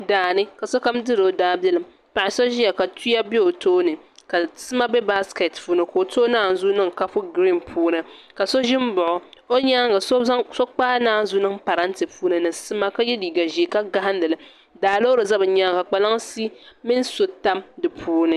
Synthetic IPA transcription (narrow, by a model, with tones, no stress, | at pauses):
daː˨nɨ˦ka˨so˦ka˦mdɨ˦ɾo˨daː˦bjɛ˦lɨ˨m | pa˨ɪ˨so˦ʒi˦ja˨ka˨tu˦ja˦be˦o˨toː˦nɨ˨ | ka˨sɨ˦ma˦bɛ˦ba˦ske˨tfu˦nɨ˨ko˨o˨toː˦naː˦˨n̩˨zu˦nɨ˦˨ŋ˨ka˦fʊ˦ɡɾi˦npʰuː˦nɨ˨ | ka˨so˦ʒɪ˦m˦bʊ˨ʔʊ˨o˦ɲaː˦ŋɡa˨sso˦k͡paː˦naː˦zʊ˦nɨ˦ŋpa˨ɾa˦n˦tɨ˨puː˦nɨ˨nɨ˨sɨ˦ma˦ka˦jɛ˦liː˨ɡa˨ʒi˨e˨ka˦ɡa˦ɦa˦n˦lɨ˨lɨ˦ | daː˨lo˦ɾɨ˨za˦bɨ˨ɲaː˦ŋka˨k͡pa˨la˦ŋ˦si˦mɪ˦n˦so˨ta˦mdɨ˨pʰuː˦nɨ˦